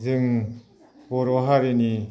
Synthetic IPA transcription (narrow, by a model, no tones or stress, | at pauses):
zɯŋ | bɔɾɔɦaɾeni